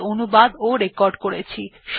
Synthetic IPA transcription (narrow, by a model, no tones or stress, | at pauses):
onubad̪oɾekɔɾɖkoɾet͡ɕʰiʃ